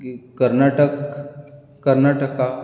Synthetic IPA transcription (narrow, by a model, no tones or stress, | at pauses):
kəɾnaʈəkː | əɾnaʈəka